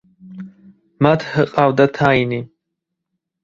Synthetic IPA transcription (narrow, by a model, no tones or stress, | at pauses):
mat̪ʰhəqʼavd̪at̪ʰaini